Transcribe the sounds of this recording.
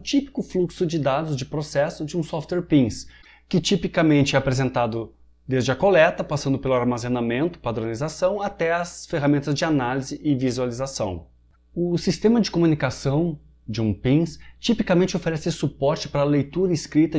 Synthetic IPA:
t͡ʃipi̥kʊfluksʊd͡ʒɪd̪ad̪ʊzd͡ʒɪpɾosɛsʊd͡ʒɪũsɔft̪wɛɾpĩs | kɪt͡ʃipikɐmẽnt͡ʃɪɛapɾezẽnt̪ad̪ʊ | d̪ezd͡ʒɪɐkolɛt̪ɐpasɐ̃nd̪ʊpelʊaɾmazenamẽnt̪ʊ̥pad̪ɾonizasɐ̃w̃at̪ɛɐsfeɦamẽnt̪ɐzd͡ʒɪanalizɪʔɪvizualizasɐ̃w̃ | ʊsist̪ẽmɐd͡ʒɪkomunikasɐ̃w̃ | d͡ʒɪũpĩŋst͡ʃipikɐmẽnt͡ʃɪofeɾɛsɪsupɔɾt͡ʃɪ̥paɾɐːlejt̪uɾɐɪskɾit̪ɐ

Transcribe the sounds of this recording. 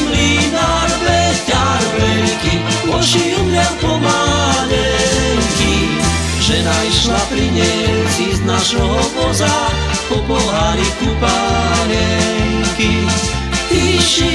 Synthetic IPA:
linaɾbɛstaɾvɛnkiɔʃiumlɛspɔmalɛ | ŋki | ʒɛnaiʃlapɾiɲɛsiznaʃɔbɔza | pɔkɔlaɾikɾupalɛŋki | iʃ

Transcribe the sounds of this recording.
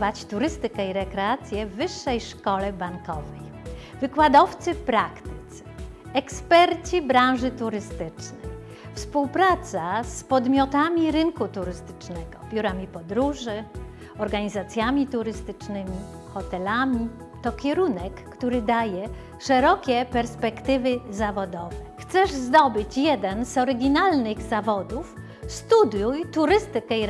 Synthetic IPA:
vat͡ɕt̪uɾɘst̪ɘkɛiɾɛkɾɛat̪sʲjɛvːɘʂːɛjʂkɔlɛbaŋkɔvɛj | vɘkwad̪ɔft̪sɘpɾakt̪ɪ̥t̪s | ɛkspɛɾt͡ɕibɾãw̃ʐɘt̪uɾɘst̪ɘt͡ʂnɛj | fspuwpɾat̪saspɔd̪mʲɔt̪amʲiɾɘnkut̪uɾɘst̪ɘ̥t͡ʂnɛɡɔbʲjuɾamʲipɔd̪ɾuʐɘ | ɔɾɡaɲizat̪sʲjamʲit̪uɾɘst̪ɘt͡ʂnɘmʲi | xɔt̪ɛlamʲi | t̪ɔkʲɛɾunɛkːt̪uɾɘd̪ajɛ | ʂɛɾɔkʲɛpɛɾspɛkt̪ɘvɘzavɔd̪ɔvɛxt̪sɛʐzd̪ɔbɘt͡ɕjɛd̪ɛnzɔɾɘɡʲinalnɘɣzavɔd̪uf | st̪ud̪jujt̪uɾɘst̪ɘkɛiɾ

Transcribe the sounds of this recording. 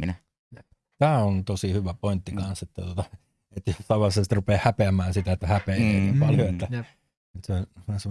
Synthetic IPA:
inæ | t̪æːont̪osihyʋæpoint̪ːikɑnset̪ːæt̪uot̪ɑ | et̪ːjosɑˑʋɑrsest̪rupeːhhæpeæmæːnsit̪æet̪ːæhæpeːeːniːmpɑljoet̪ːæ | et̪seosɑse

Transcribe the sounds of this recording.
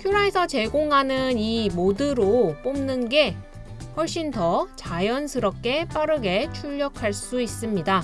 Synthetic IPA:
kʰjuɾaesʰʌt͡ɕe̞ɡoŋɦanɯnimodɯɾop͈omnɯnɡe̞ | ɸwʌɭɕ͈intʌt͡ɕajʌnsʰɯɾʌp̚k͈e̞p͈aɾɯɡe̞t͡ɕʰuʎːʌkʰaɭs͈uis͈ɯmɲida

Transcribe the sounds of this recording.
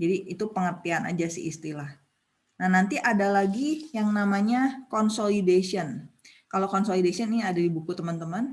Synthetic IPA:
d͡ʒadiːt̪upəŋərt̪iana̰d͡ʒasḭʔist̪ilah | nahnant̪iʔadalaɡijaŋnamaɲakɔnsolidasiən | kalokɔnsolidasiɔniadadibukut̪əmant̪əmən

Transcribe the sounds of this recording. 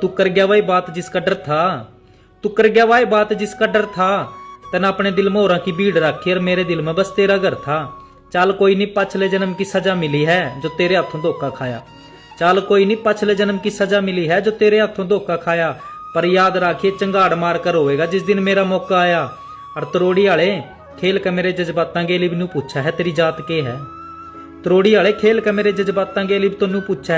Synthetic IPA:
t̪ʊkəɾɡjaːʋaːiːbaːt̪d͡ʒɪskəɖəɾt̪ʰaː | t̪ʊkəɾɡjaːʋaːebaːt̪d͡ʒɪskəɖəɾt̪ʰaːt̪ɛnaːpɽeːd̪ɪlmɦoːɾãːkiːbʱiːɽɾaːkʰːiəɾmeːɾeːd̪ɪlmɛ̃ːbəst̪eːɾaːɡəɾt̪ʰaː | t͡ʃaːlkoːiːnĩːpat͡ʃʰleːd͡ʒənəmkisəd͡ʒaːmɪliːɦɛːd͡ʒoːt̪eːɾeːət̪ʰːõːd̪ʱoːkaːkʰaːja̰ː | t͡ʃaːlkoːiːnĩːpat͡ʃʰleːd͡ʒənəmkɪsaːd͡ʒaːmɪliːɦɛːd͡ʒoːt̪eːɾeːət̪ʰõːd̪oːkaːkʰaːjaːpəɾjaːd̪ɾaːkʰːieːt͡ʃəŋɡaːɽmaːɾkəɾɦoːʋeːɡaːd͡ʒɪsd̪ɪnmeːɾaːmɔːkaːjaː | əɾt̪əɾoːɽiːaːɭeː | kʰeːlkəmeːɾeːd͡ʒəzbaːt̪ãːɡeːliːbnũːpʊtt͡ʃʰaːɦɛːt̪eːɾiːd͡ʒaːt̪keːɦɛː | t̪əɾoːɽiːaːɭeːkʰeːlkəmeːɾeːd͡ʒəzbaːt̪ãːɡeːliːbt̪onũːpʊtt͡ʃʰaː

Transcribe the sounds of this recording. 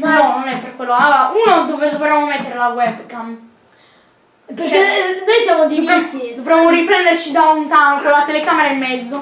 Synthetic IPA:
nɔnonɛpːerkːwelːoalːoːɾaʔunod̪oved̪ovɾemːomet̪ːeɾelawɛbkam | peɾkenojsjamod̪ieid̪ovɾemːoɾipɾɛnd̪ert͡ʃid̪aunt̪aŋkolat̪elekameɾaemːɛd̪zːo

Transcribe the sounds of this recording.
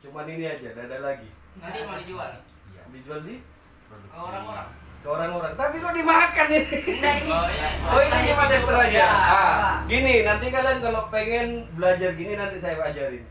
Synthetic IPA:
t͡ʃumaniniad͡ʒadadalaɡḭ | a | ija̰did͡ʒualdi | pɾoduk | kəoɾaŋoɾaŋt̪apikodimaɦakani | oiinipat̪ɛst̪əɾad͡ʒaaɡininant̪ikalankalopɛŋɛnbəlad͡ʒarɡininant̪isajabad͡ʒaɾin

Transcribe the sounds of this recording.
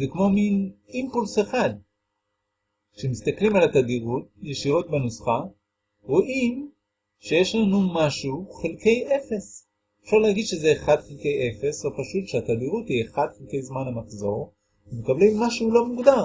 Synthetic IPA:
zekmo̞minimpulseχad̪ | ʃemist̪aklimalat̪ad̪iʁut̚jeʃiʁo̞t̪̚benusχa | ʁoʔim | ʃe̞jeʃlanumaʃuχelke̞jʔefe̞s | efʃaʁleaɡid̪ʃezeːχad̪χelkejʔefe̞svepaʃut̪ʃeat̪ad̪iʁut̪hieχad̪χelkejzmanamaχzo̞ʁ | vemekablimːaʃuulo̞muɡd̪aʁ

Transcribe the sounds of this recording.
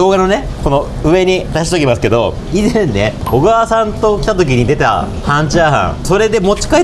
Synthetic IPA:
o̞ːɡano̞ne̞ | ko̞no̞ | ɯ̟e̞ɲ̟id̪aɕi̥t̪o̞kʲimas̬ɨ̥ke̞d̪o̞ | izẽnːe̞oɡaːsãnt̪o̞kʲit̪at̪o̞k̬ʲiɲ̟id̪e̞t̪a̰ | hãɲ̟t͡ɕaːɦã̰so̞ɾe̞d̪e̞mo̞t͡ɕi̥kai

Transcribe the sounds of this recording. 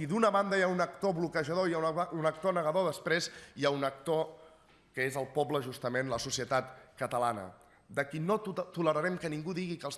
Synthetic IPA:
id̪unəβand̪əjaunəkt̪oβlukəʒəð̞oiaunək̚t̪onəɣəðoðəspɾeziaunək̚t̪o | kəezəlˠpɔbləʒust̪əmenləsusiət̪at̪kət̪əlanə̰ | d̪əkinot̪uləɾəɾɛmkəniŋɡuðiɣikəlˠs

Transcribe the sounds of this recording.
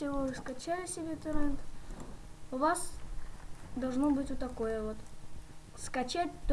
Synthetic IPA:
sʲɪvoɨskɐt͡ɕælʲɪsʲɪbʲet̪ɨɾɛnt̪ | ʊvas | d̪ɐlˠʐnobɨtʲot̪ːɐkojəvot̪ | skɐt͡ɕæt̚ʲt̪

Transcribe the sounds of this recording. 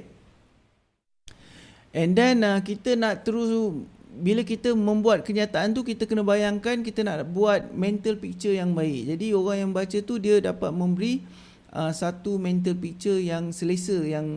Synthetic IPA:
ʔɛndɛnək̬it̪ənaʔt̪əɾusbiləkit̪əmə̃mbuat̪̚kəɲiat̪aʔant̪ukit̪əkənə̃bajaŋkankit̪ənaʔbuat̪̚mɛ̃nt̪əlpik̚t͡ʃəjaŋbaɪk̚d͡ʒadioɣaŋjambat͡ʃət̪udiədapat̪̚mə̃mbəɾi | ʔəsat̪umɛ̃nt̪̬əlpik̚t͡ʃərjaŋsəlesəjaŋ

